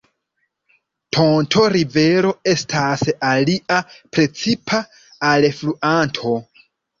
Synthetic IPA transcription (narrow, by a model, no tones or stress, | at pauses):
tʰontʰo̞ɾive̞ɾo̞e̞stʰasaliʔapɾe̞t͡sipʰaː | lfluʔantʰo̞